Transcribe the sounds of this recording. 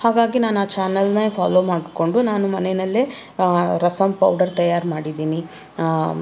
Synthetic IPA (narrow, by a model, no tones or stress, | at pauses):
haːɡaːɡinaːnuaːt͡ʃaːnɐlnɐpʰaːloːmaːɖko̞ɳɖunaːnumɐnɛnɐlːe | ɾɐsɐmpɐ̰wɖɐɾt̪ɐjaːɾmaːɽid̪iːni